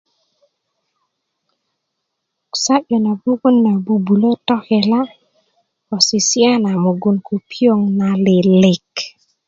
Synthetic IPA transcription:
ksa˦ɓo˨na˨bu˦ku˦nːa˨bu˨bu˨lo˦tɔ˦he˨la˦ | ko˨si˨si˦a˦na˨mu˨ɡu˨nku˨pi˦o˦ŋna˨li˨li˨k

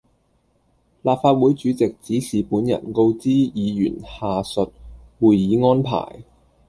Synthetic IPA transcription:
laː˨p̚faː˧t̚wuː˨˥jt͡ʃyː˨˥t͡sɪ˨k̚t͡siː˨˥sʰiː˨˩puː˨˥njɐ̰˨˩nko˧wt͡siː˥jiː˨˧jy̰ː˨˩nhaː˨sɵ˨t̚ | wuː˨jjiː˨˥ŋɔː˥npʰa̰ː˨˩j

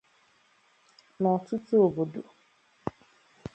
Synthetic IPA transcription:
nã˨tʰu˦tʰu˦o˨bo˨du˨

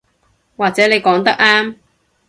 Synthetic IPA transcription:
waː˨k̚t͡sɛː˨˥ne˨˧jkɔː˨˥ŋt̪ɐ˥k̚aː˥m

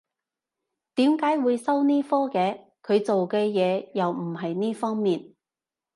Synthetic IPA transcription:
t̪iː˨˥mkaː˨˥jwuː˨˧jsɐ˥wniː˥fɔː˥kɛː˨˧ | kʰɵ˨˧ɥt͡so˨wkɛː˧jɛː˨˧jɐ˨wm̩˨˩ɦɐ˨jniː˥fɔː˥ŋmiː˨˩n

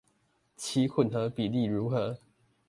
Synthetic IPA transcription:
t͡ɕʰi˧˦kʰwə˨˩nxɤ˨˦pi˨˩li˥˩ɻu˨˥xɤ˨˥˦

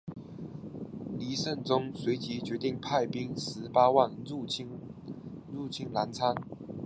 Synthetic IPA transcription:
li˨˧˥ʂə˥˩nʈ͡ʂʊ˥ŋswe˨˧˥ɪt͡ɕi˧˥t͡ɕɥɛ˨˧˥t̪i˥˩ŋpʰa˥˩ɪpi˥ŋʂɻ̩˧˦pa˥wa˥˨nu˥˨˥ | ɻu˥˩t͡ɕʰi˥ŋla˧˥nt͡sʰa˥n

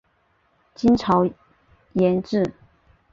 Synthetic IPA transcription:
t͡ɕi˥nʈ͡ʂʰɑ˧˥ʊ | jɛ˧˥nʈ͡ʂɻ̩˥˩

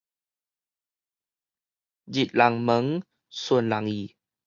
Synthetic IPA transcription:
d͡ʒi˨t̪̚la˧ŋmə˧˦ŋ | su˧ənla˧ŋi˨˩

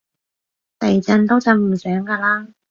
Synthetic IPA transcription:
t̪ɐ˨˩jt͡sɐ˧nt̪o˥wt͡sɐ˨˧wm̩˨˩sœː˨˥ŋkaː˧laː˥

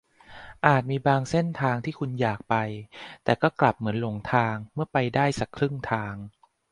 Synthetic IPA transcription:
ʔaː˨˩t̪̚miː˧baː˧ŋse˥˩nt̪ʰaː˧ŋt̪ʰiː˥˩kʰu˧njaː˨˩k̚pa˧jt̪ɛː˨˩kɔː˥˩kla˨˩p̚mɯ˩˦ənlo˧ŋt̪ʰaː˧ŋmɯ˥˩ɐpa˧jdaː˥˩jsa˨˩kʰɾɯ˥˩ŋt̪ʰaː˧ŋ

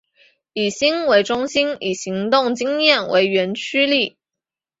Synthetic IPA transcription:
i˨˩ɕi˥ŋwe˧˥ɪʈ͡ʂʊ˥ŋɕi˥ni˨˩ɕi˧˥ŋt̪ʊ˥˩ŋt͡ɕi˥ŋjɛ˥˩nwʔḛ˧˥ɪɥɛ˧˥nt͡ɕʰy˥li˥˩

